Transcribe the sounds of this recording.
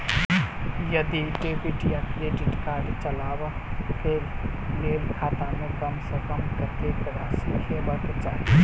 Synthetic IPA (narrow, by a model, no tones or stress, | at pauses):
jəd̪iʈeːpiʈjakɾeːʈɪʈkaːɾɖt͡ʃəlaːwəpʰeːlkeːlkʰaːt̪ãmẽkəmsə̃kəmkəɾkekɾaseɦemət̪t͡ʃaːe